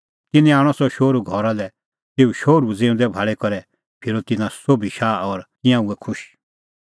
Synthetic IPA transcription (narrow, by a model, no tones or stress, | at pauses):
t̪ɪniaːɽ̃ɔsɔʃoːɾuɡʱɔɾalɛ | t̪eːuʃoːɾud͡zẽːʊ̃nd̪ɛbʱaːɭɛkɔɾɛ | pʰɪɾot̪ɪnãsobʱiʃaːɔɾk̪ɪ̃jãuɛkʰʊʃ